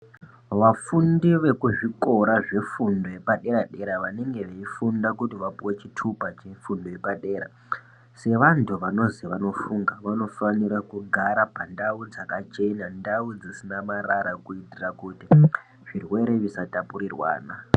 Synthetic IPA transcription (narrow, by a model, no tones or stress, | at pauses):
ʋafundiʋe̞kuʐiko̞ɾaʐe̞fundo̞je̞paɗe̞ɾaɗe̞ɾaʋane̞ŋɡe̞ʋeifundakutiʋapuwe̞t͡ʃitʰupat͡ʃe̞fundojepaɗe̞ːɾa̰ | se̞ʋantʰuʋano̞ziʋano̞fuŋɡaʋano̞faniɾakuɡʱaɾapandaud͡zakat͡ʃe̞nandaud͡zisinamaraɾakuitirakuti | ʐ̥irwe̞ɾe̞ʋisatapuɾirwa̰ːna